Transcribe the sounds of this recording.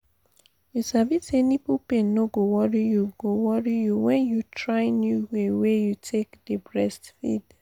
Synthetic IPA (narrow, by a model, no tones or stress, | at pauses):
jusavisɛnipupẽnːoɡowɔɹijuɡowɔɹijuwɛ̃njutʰɹaɪnjuwewejutʰekdəbɹɛstfḭd̥